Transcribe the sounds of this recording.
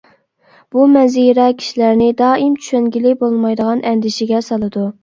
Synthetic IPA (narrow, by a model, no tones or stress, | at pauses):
b̥umɛziɾɛkʲʰi̥ʃilæɾnɪd̪ɑːimt͡ʃʰy̥ʃɛnɡʲilɪbolˠmɑjd̪əʁɑnʔɛnd̪ɪʃɪɡʲɛsɑlˠɨd̪u